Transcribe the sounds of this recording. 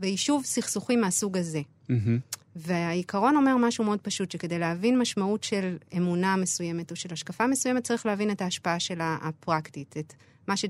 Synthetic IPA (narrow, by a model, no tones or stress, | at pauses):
veiʃuvsiχsuχimeasuɡaze̞ | veaikaʁo̞no̞me̞ʁmaʃume̞o̞d̚paʃutʃeke̞de̞jleɦavinmaʃmautʃe̞le̞muname̞suje̞me̞to̞ʃe̞laʃkafamesuje̞met̚t͡saʁiχlehavine̞taːʃpaaʃe̞la̰ːpʁaktitet | maʃe